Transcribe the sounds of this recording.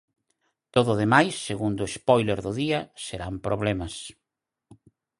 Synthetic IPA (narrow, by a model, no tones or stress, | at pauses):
t̪oðʊðemajsːeɣund̪ʊespɔjleɾðʊðiɐseɾampɾoβlemɐs